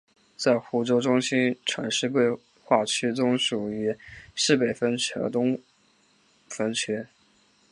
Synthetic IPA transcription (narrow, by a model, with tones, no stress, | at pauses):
t͡sa˥˩ɪxu˧˥ʈ͡ʂo˥ʊʈ͡ʂʊ˥ŋɕi˥nʈ͡ʂʰwa̰˧˥nʂɻ̩˥˧kwe˥˧ɪ | xwa˥˩t͡ɕʰy˥t͡sʊ˥ŋʂu˨˩y˧˥ʂɻ̩˥˩pe˨˩ɪfə˥nt͡ɕʰɛ̰˧˥t̪ʊ˥ŋ | fə˥nt͡ɕʰɥɛ˥